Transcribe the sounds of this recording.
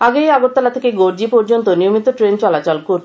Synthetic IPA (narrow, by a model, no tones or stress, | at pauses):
aɡejaɡot̪ːalat̪ʰekeɡoɾd͡ʑipɔɾd͡ʑont̪onijomit̪oʈɾent͡ɕɔlat͡ʃalkoɾ